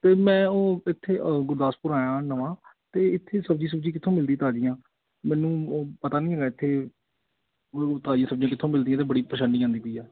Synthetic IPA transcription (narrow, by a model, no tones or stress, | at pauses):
t̪eːmɛ̃ːoːɪt̪ʰːeːɡʊɾd̪aːspʊɾaːjãːnəʋãːt̪eːɪt̪ʰːeːsəb̚d͡ʒiːs̬əb̚d͡ʒiːkɪt̪ʰõːmɪld̪ĩːt̪aːd͡ʒɪjãː | mɛ̃ːnũːpət̪aːnĩːɦɛːɡaːɪt̪ʰːeː | ot̪aːd͡ʒɪjãːsəb̚d͡ʒiãːkɪt̪ʰːõːmɪld̪ijãːt̪eːbəɽiːpɾəʃəɳɖiːãːnd̪iːpʊiːɛː